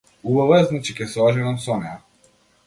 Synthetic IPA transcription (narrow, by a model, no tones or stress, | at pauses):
ubavɔjaznat͡ʃikɛsɔʒɛnamsɔnɛja